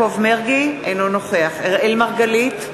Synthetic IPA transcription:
ovmeʁɡiejnonoχeaχeʁʔelmaʁɡalit̪

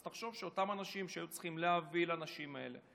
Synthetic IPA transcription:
t̪aχʃo̞vʃeo̞tamanaʃimʃeajut͡sχimleavilanaʃimae̞̰le̞

